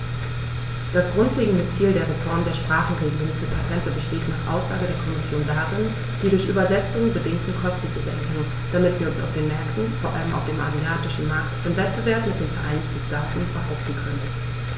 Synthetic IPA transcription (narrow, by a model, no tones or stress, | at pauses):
d̥asɡ̥ʁʊntleːɡŋ̩dət͡siːldeːɐʁefɔɐmdeːɐʃpʁ̥aːχn̩ʁeɡiːʁənfyɐpʰatʁɛntəbəʃteːtnaːχʔa̰ʊsz̥aːɡədeːɐkʰɔmɪsjoːndaʁɪn | d̥iːɾʊɐçʔy̰ːbɐzɛt͡sʊŋənbədɪŋtəkʰɔstn̩tuzɛɐkʰɛnən | d̥amɪtv̥iːɐʊnsa̰ʊfd̥eːnmɛɐktn̩foːɐʔa̰ləmʔa̰ʊfd̥eːmʔa̰ziaːtɪʃn̩maɐktɪmvɛt̚b̥əvɛɐpmɪtd̥eːnfɛɐʔaɪnɪçtəd̥aːtn̩b̥əɦaʊp̚tn̩kʰœnən